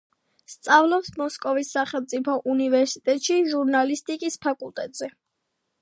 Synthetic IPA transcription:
st̪sʼavlˠɔpsmɔskʼɔvisːaχɛlmt̪sʼipʰɔʔunivɛɾsit̪ʼɛt̪ʼʃiʒuɾnalist̪ʼikʼispʰakʼulˠt̪ʼɛt̪ʼz̥ɛ

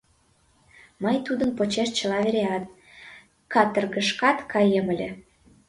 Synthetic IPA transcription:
məjt̪ud̪ənpot͡ɕeʃt͡ɕəlɑβeɾeɑt̪̚ | kɑt̪ə̆rɣəʃkɑt̪kʰɑjəmə̆lʲĕ

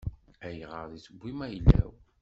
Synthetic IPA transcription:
æjʁəɾðit͡səɡʷːimæjlːæ̰w

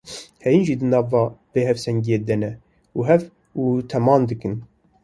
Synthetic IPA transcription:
hɛjinʒid̪ɨnɑːvɑːbeːɦɛfsɛŋɡijeːd̪ɛnɛ | uːɦɛv | ut̪ʰɛmɑːnd̪ɨkɨn

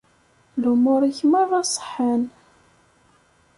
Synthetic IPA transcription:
lumʊɾˤiçməðˤɑsˤə̥ħːan

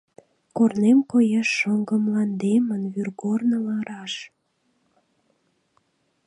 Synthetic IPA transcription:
kornemkojɑʃːəŋɡəmlɑnd̪emənβyrɣornəlɑɾɑʃ

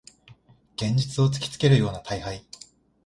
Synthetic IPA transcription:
ɡ̥ẽ̞ɲ̟d͡ʑit͡sɨo̞t͡sɨ̥kʲi̥t͡sɨ̥ke̞ɾɯ̟jo̞ːnat̪ʰaihai

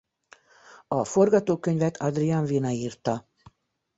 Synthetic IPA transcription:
ɒfo̞rɡɒt̪oːkø̞ɲvɛt̪ʰɒd̪riɒɱvinɒiːrt̪ɒ

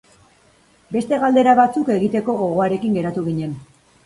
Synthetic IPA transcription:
be̞st̪e̞ɣald̪e̞ɾaβat͡suke̞ɣit̪e̞ko̞ːɣo̞aɾe̞kiŋɡe̞ɾat̪uɣ̞iɲe̞n

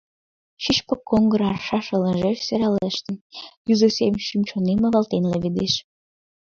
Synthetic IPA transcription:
ʃit͡ɕpokːoŋɡə̆ɾɑrʃɑʃə̆lə̆ʒeʃsøɾɑleʃt̪ə̆njyzəsemʃymt͡ɕoneməβɑlt̪enləβed̪eʃ

